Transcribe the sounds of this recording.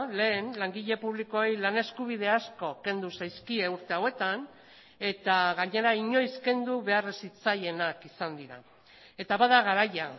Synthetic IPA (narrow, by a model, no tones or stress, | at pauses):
le̞ːnlaŋɡiʎe̞puβ̞liko̞ejlane̞skuβ̞ið̞e̞asko̞ke̞nd̪usajskie̞uɾt̪e̞awe̞t̪an | e̞t̪aɣaɲe̞ɾaiɲo̞jske̞nd̪uβe̞aresit͡saje̞nakisand̪iɾa̰ | e̞t̪aβaðaɣaɾaja